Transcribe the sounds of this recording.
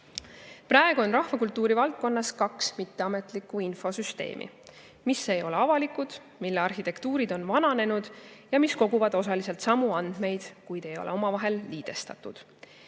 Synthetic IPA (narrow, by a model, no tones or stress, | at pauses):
pɾɑːeɡ̥uo̞nrɑhvɑkult̪ːuːɾivɑlt̪̚ko̞nːɑskɑksmit̪ːe̞ɑme̞t̪ˑlikːˑuinfo̞syst̪e̞̰ːmʔḭ | misːe̞jo̞le̞ɑvɑlikud̪̥ | milːeɑrhit̪e̞kt̪uːɾid̪o̞nvɑnɑne̞nud̪̥jɑmisko̞ɡ̥uvɑd̪̥o̞sɑlise̞lt̪sɑmuɑnd̪̥me̞jd̪̥kujd̪̥e̞jo̞̰lʔeo̞mɑvɑɦe̞lːiːd̪̥e̞st̪ɑ̰t̪ːˑud̪̥